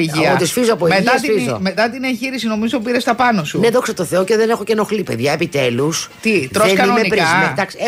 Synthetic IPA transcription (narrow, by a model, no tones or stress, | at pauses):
iʝiɐpot̪isfizoɐpoimeiɐst̪izomet̪ɐt̪ineɲçiɾisino̞mizo̞piɾest̪ɐpɐnosuneðo̞ksɐt̪oθe̞o̞ce̞ðene̞xo̞ceno̞xlipe̞̰ðʝɐepit̪e̞lust̪iɾoesnkɐiomenipɾɐsmed̪ɐksie